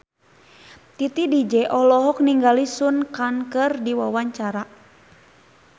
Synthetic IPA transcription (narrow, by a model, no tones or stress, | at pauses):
t̪it̪idid͡ʒɛʔɔlɔɦɔk̚niŋɡalisunkankɨrdiwawaɲt͡ʃaɾa